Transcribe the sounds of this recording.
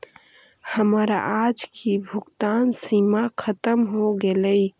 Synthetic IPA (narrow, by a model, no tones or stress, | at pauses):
həməɾa̰ʔad͡ʒkibʱuɡt̪ansimakʰət̪əmɦoɡeləj